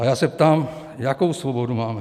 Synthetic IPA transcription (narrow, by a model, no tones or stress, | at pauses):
ɐjaːsep̚t̪aːm | jakowsʋobod̪umaːme